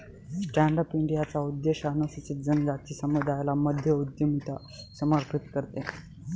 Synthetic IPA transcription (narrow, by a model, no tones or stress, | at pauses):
sʈæɳɖəpiɳɖijat͡saud̪jeɕanəsit͡ɕit̪̚d͡zənd͡zat̪iːsəməd̪ʱajlaməd̪ʱjəud̪jəmit̪a | səməɾpʰit̪kəɾt̪e